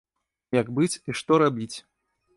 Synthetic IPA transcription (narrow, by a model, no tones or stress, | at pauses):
jaɡbɨt͡sʲiʂt̪ɔɾabʲit͡sʲ